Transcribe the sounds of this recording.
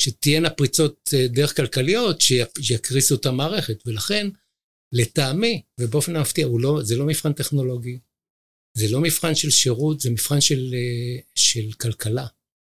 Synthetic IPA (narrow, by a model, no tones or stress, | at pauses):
ʃet̪ijenapʁit͡so̞t̚d̪ee̞χkalkalijo̞tʃeʃjakʁisuotamaːʁe̞χetve̞laχe̞n | let̪aːmivebeo̞fe̞namaft̪iaulo̞zelo̞mifχant̪e̞χno̞lo̞ɡi | zelo̞mifχanʃe̞lʃe̞ʁut̪zemifχanʃel | ʃe̞lkalkala